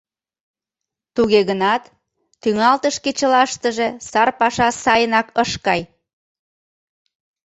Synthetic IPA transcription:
t̪uɣeɣənɑt̪ː | yŋɑlt̪əʃket͡ɕəlɑʃt̪əʒesɑrpɑʃɑsɑjənɑkəʃkɑj

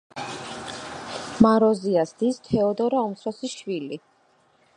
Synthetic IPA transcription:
maɾɔziasd̪ist̪ʰɛɔd̪ɔɾaɔmsʰɾasiʃwili

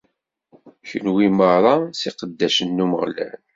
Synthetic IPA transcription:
çənwiməɾˤɑsiqəd̪ːæʃənːuməʁlæ̰n

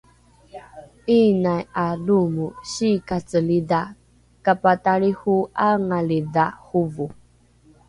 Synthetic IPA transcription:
inajalumuɕikat͡səlida | kapataɾihuaŋalidahuvu

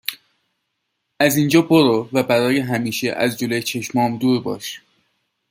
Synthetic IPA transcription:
ʔæzind͡ʒɒːboɾovæbæɾɒːjeɦæmiːʃeʔæ̰zd͡ʒolojt͡ʃʰe̞ʃmɒːmd̪uːɾbɒ̰ːʃ

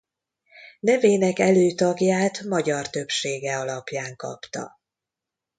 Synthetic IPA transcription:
nɛveːnɛkɛløːt̪ɒɡjaːt̪mɒɟɒrt̪ø̞pʃeːɡɛɒlɒpjaːŋkɒ̰pt̪ɒ̰

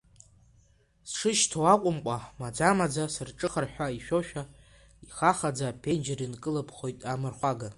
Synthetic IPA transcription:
sʂɨʃtʰowaqʷʼʊmkʷʼamad͡zamad͡zasɨrʈ͡ʂʼɨχərħʷᶣaiʃᶣoʃᶣa | iχaχad͡zapʰe̞nd͡ʒɪrinkʼɨlapʰχo̞jtʼamɨrχʷaɡa

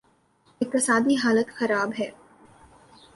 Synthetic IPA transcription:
eːk̚pɾɐsaːd̪iɦaːlət̪xɐɾaːbɦɛː

